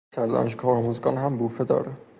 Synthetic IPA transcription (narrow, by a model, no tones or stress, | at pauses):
sæɾlɒ̰ːnʃkʰɒːɾmozɡɒːnɦæmbuːfed̪ɒ̰ːɾæ